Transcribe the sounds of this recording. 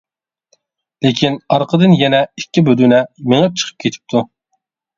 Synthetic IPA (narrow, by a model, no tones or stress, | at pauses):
lekʲʰinɑɾqʰəd̪ɨnjɛnɛikʲːibød̪unɛmeŋɛp̚t͡ʃʰə̥qʰə̥p̚kʲʰet̪ʰɪ̥p̚t̪ʰu